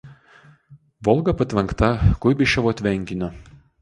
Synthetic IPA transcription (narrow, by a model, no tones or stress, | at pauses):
ʋɔlˠɡɐpɐt̪ʲʋʲɛŋkt̪ɐkʊjbʲɪʃʲɛʋoɐt̪ʲʋʲɛŋʲkʲɪnʲo